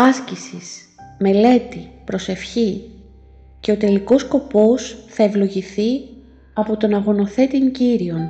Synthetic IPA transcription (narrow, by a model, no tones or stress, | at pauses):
ɐscisis | me̞le̞t̪ipɾo̞se̞fçi | ce̞o̞t̪e̞liko̞sko̞po̞sθɐe̞vlo̞ʝiθi | ɐpo̞t̪o̞nɐɣo̞no̞θe̞t̪iɲɟiɾio̞n